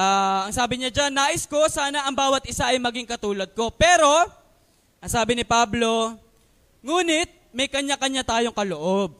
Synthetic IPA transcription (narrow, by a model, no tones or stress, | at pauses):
ʔaːʔɐŋsaːbɪɲad͡ʒanːaːʔɪsko̞saːnɐʔɐŋbaːwɐt̪̚ʔɪsaʔɐjmɐɡiŋkɐt̪uːlɐd̪̚ko̞pɛːɾo̞ | ʔɐŋsaːbɪnɪpablo̞ | ŋuːnɪt̪̚mɐjkɐɲːakɐɲːat̪aːjo̞ŋkɐloʔob̚